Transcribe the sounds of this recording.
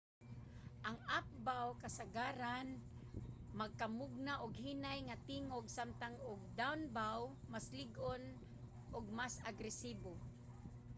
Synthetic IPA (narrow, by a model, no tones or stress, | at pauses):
ʔaŋap̚bawkasaɡaɾan | maɡ̚kamʊɡ̚naʔʊɡhinajŋat̪iŋoɡsamt̪aŋʊɡ̚d̪awnbawmaslɪɡʔon | ʔʊɡ̚masaɡɾɛsiːbo